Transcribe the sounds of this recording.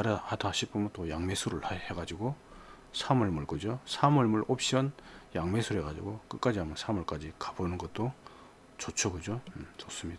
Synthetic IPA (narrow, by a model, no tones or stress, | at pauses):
aɾahatʰaɕʰip͈umʌnt͈ojaŋme̞sʰuɾɯɭaheɡad͡ʑiɡo | sʰamɯɭmuɭkɯd͡ʑosʰamɯɭmuɭop̚ɕ͈ʌnjaŋme̞sʰuɾɦeɡad͡ʑḭɡok͈ɯk͈ad͡ʑiɦamʌnsʰamuɭk͈ad͡ʑikḁbunɯnɡʌt̚t͈o | t͡ɕot͡ɕʰokɯd͡ʑot͡ɕos͈ɯmɲida